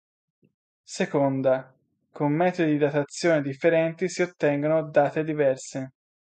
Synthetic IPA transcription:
sekond̪a | komːɛːt̪od̪id̪at̪at̪sːjoːnid̪ifːeɾɛnt̪isiot̪ːɛŋɡonod̪aːt̪ed̪ivɛrse

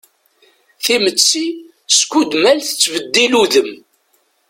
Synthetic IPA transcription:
θimət͡sːi | skud̪mælθət͡sːvəd̪ːiluðəm

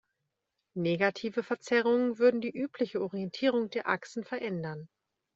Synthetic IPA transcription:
neːɡatʰiːvəfɛɐt͡sɛʁ̞ʊŋənvʏɐdn̩diːʔyːpʰlɪçəɔʁiɛntʰiːʁ̞ʊŋdeːɐʔa̰ksn̩fɛɐʔɛndɐn

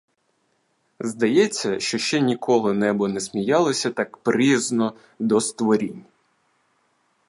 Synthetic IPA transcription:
zd̪ɐjɛt͡sʲːɐʃt͡ʃɔʃt͡ʃɛnʲikʰɔlˠɪnɛbɔnɛsmʲijɑlˠɔsʲɐt̪ɑkpɾiznɔ | d̪ɔst̪ʋɔɾʲinʲ

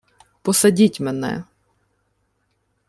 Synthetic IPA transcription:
pɔsɐdʲitʲmenɛ̰

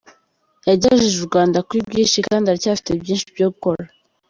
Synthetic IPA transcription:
jaɟaʒiʒuɾɡwaːndakwibɡiːnʃikaːndaɾicaːfi̥tebjiːnʃi̥bjoːkoɾa

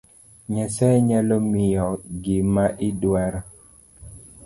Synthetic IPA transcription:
ɲasɛɲalɔmɪjɔɡɪmaʔidwɛɾɔ

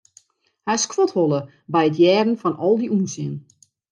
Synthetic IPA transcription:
hɛskʋɔtholˠə | bɛjətjɛːdn̩fɔnɔlˠdiuːnsɪən

